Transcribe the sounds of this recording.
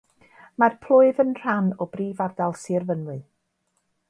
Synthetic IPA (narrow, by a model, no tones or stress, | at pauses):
marpʰl̥ˠʊɨðənr̥anɔbriːvardalˠsirvənwɨ